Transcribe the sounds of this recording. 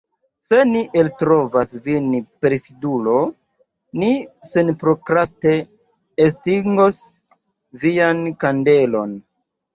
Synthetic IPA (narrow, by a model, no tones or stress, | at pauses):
se̞niʔeltɾo̞vasvinipeɾfidulo̞ | nisenpɾokɾaste̞ː | stiŋɡos | viankande̞lo̞n